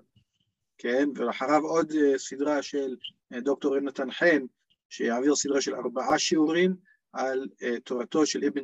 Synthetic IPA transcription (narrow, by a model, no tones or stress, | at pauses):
kʰenveleaħaʁavo̞d̪esid̪ʁaʃel | d̪o̞k̚t̪o̞ʁemnat̪anħen | ʃejaaviʁsid̪ʁaʃela̰ʁbaʔaʃiuʁim | ʕalet̪oʁat̪o̞ʃe̞lʔebe